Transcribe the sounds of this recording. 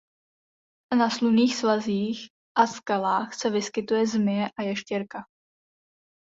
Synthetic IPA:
nasluniːxsvaziːx | ʔaskalaːxsɛvɪskɪt̪ujɛzmɪjɛʔajɛʃcɛɾka

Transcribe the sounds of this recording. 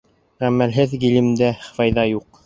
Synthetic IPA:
ʁæmːælɦɘðɡilɘ̆md̪æfɑjðɑjuq

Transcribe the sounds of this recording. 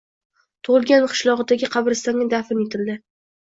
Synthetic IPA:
t̪ʰʊʁɨlˠɡʲanqʰɨ̥ʃlˠɒʁɨd̪aɡʲɪqʰɑbɾɪst̪anːʲɪd̪afɪnet̪ʰɪld̪ɪ

